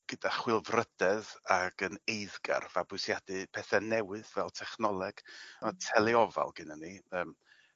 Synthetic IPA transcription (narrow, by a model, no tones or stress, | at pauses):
ɡ̥ədaχwɪlˠvrəd̥ɛðaɡ̥ənejðɡa̰rvabʊɨsjadɨpʰɛθɛnɛwɨðvɛlˠtʰɛχnɔlˠɛɡ̥matʰɛlˠɛɔva̰lˠɡ̥ɪnaniəːm